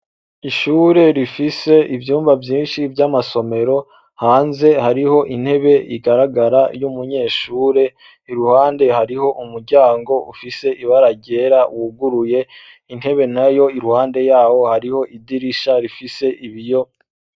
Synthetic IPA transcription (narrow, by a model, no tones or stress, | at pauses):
iʃuːɾe̞ɾifise̞ivjuːmvavjiːnʃibjamaso̞me̞ɾo̞ | haːnze̞haɾiho̞ʔin̥he̞βe̞iɡaɾaɡaɾajumuɲe̞ːʃuːɾe̞ | iɾuhaːnde̞haɾiho̞ʔumuɾɟaːŋɡo̞ufise̞iβaɾaɟeɾawuɡuɾuje̞ | in̥he̞βe̞najo̞iɾuhaːnde̞jaːwo̞haɾiho̞ʔidiɾiʃaɾifise̞ʔiβijo̞